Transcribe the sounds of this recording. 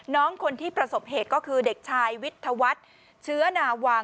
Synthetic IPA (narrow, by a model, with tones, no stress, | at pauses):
nɔː˦˥ŋkʰo˧nt̪ʰiː˥˩pɾa˧so˨˩p̚heː˨˩t̪̚kɔː˥˩kʰɯː˧de˨˩k̚t͡ɕʰaː˧jwi˦˥t̪ʰːa˧wa˦˥t̪̚ | t͡ɕʰɯ˦˥ɐnaː˧waː˧